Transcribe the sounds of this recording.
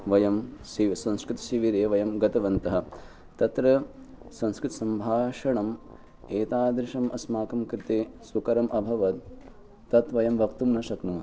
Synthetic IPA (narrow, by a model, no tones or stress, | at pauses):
ʋɐjɐmsisɐ̃nskɾɪt̪ɐ̥ʃiʋiɾɐjɐʋɐjɐmɡɐt̪ɐʋɐnt̪ɐɦɐ̆ | t̪ɐt̪ɾɐ | sɐ̃ñskɾɪt̪ɐsɐmbʱaːʂɐɳɐm | eːt̪aːd̪ɾɪʃɐmʔɐsmaːkɐmkɾɪt̪eːsukɐɾɐmʔɐbʱɐʋɐt̪ː | ɐt̪ʋɐjɐmʋɐkt̪umnɐʃɐknumɐ